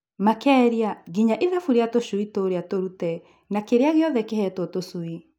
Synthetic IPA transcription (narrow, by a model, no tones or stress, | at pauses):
makɛːɾiaɣiɲaʔiðɛfuɾeatoʃuitoɾeatoɾutɛ | nakeɾeaɣeɔðɛkehɛtwɔtosui